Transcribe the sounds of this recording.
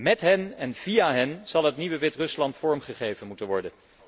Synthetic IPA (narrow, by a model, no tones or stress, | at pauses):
mɛtɦɛnɛnv̥ijaːɦɛnz̥ɑlˠɦətniʋəʋɪtrɵslɑntfɔɹmχəχejvənmutənʋɔɹdən